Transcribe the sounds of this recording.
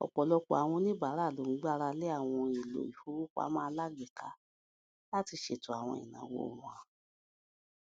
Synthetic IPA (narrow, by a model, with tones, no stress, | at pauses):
ɔ̰˨k͡pɔ˨lɔ˧ko˨˦a˨w̃ɔ̃˧nĩ˦ba˨˦ɾa˦˨lo˨˦ŋ̩˨˦ɡ͡ba˦ɾa˧le˦a˦˨w̃ɔ̃˧i˨lo̰˨i˨hu˨˦ɾu˦kʷa̰˦mãː˦˧˦la˦ɡi˨ka˧ | la˦ti˧ʃe˨tũ˨a˨w̃ɔ̃˧˨ḭ˨nã̰˨˦wo̰˧˦˨ɾũ˨ã˨